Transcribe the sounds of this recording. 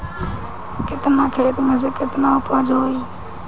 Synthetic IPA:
kɪt̪mãːkʰeːt̪məzəkɪt̪mãːʊpəːd͡ʒoːɦoiː

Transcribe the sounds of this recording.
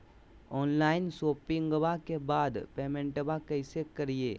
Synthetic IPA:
ɔːnlaːɪnsoːpɪ̃ŋɡbakebaːd̪peːmẽɳʈbakɐɪsekɐɾieː

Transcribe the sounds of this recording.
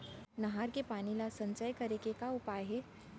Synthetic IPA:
nɐɦaːɾkepaːnilasɐ̃nt͡ʃəjkɐɾekekaʊpaːjɦɛ

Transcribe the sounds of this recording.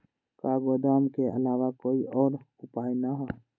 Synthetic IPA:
kaːɡoːd̪aːmkeə̰laːwakoːiʔɔːɾ | ʊpaːjnaɦɔ

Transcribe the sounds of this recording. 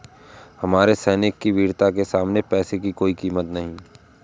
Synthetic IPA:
hɐmaːɾesɛːnɪkːiʋiːɾt̪akesaːmnepɛːsekikoːikiːmət̪nɐɦĩː

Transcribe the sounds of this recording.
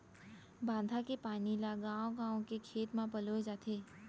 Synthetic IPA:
bãːnd̪ʱakepaːnilaɡãːõɡãːõkekʰeːt̪mãpəlod͡ʒaːt̪ʰeː

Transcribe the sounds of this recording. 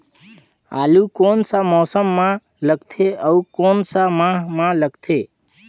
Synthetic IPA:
a̰ːlukonsamɔsəmːã | ləɡt̪ʰeəukoːnsamãɦmãləɡt̪ʰe

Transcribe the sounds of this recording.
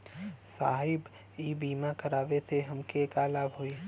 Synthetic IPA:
sa̰ːɦɪb | ibiːmãkəɾaːʋesʰeɦəmkekalaːbɦoːi

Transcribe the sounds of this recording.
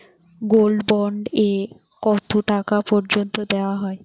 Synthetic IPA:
ɡolbɔɳɖe | kɔt̪ʰoʈakapɔɾd͡ʑont̪od̪eoaɦɔe

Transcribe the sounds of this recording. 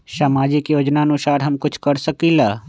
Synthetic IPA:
saːmaːd͡ʒikjoːd͡ʒnaənʊsaːɾɦɐmkʊt͡ʃʰkɐɾsəkilaː

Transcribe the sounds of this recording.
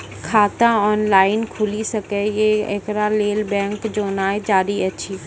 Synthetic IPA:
kʰaːt̪ãɔːnlaːɪnkʰʊlisɐkejeḛkɾaleːlbɛ̃ːŋkd͡ʒoːnaːed͡ʒaːɾiɐːʃʰiː

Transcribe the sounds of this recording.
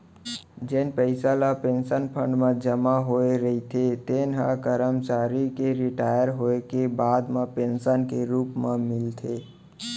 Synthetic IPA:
d͡ʒenpəɪsalapensənpʰə̃ɳɖmẽd͡ʒəmaɦoeɾəɦit̪ʰet̪enɦa̰kəɾəmt͡ʃaɾikeɾiʈajəɾɦoekebad̪mepensənkeɾuːpmemɪlt̪ʰe

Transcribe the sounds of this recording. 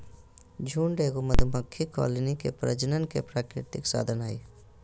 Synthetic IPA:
d͡ʒʱuːɳɖeːɡoməd̪ʱuməkʰːikɔ̰ːlənikḛpɾə̰d͡ʒənənkepɾaːkɾɪ̰t̪ɪksa̰ːd̪ʱənaːi

